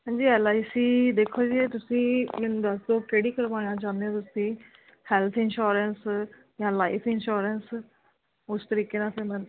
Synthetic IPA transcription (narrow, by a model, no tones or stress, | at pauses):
ɦãːɲd͡ʒiːɛːlaːisiːd̪eːkʰoːd͡ʒiːeːt̪ʊsĩːmɪnd̪əsd̪oːkeːɽiːkəɾʋãːjãːt͡ʃãːnd̪eõːt̪ʊsĩː | hɛːlt̪ʰɪnʃoːɾəns | jãːlaːɪpʰɪnʃoːɾəns | ʊst̪əɾiːkeːnãːsẽːmɛn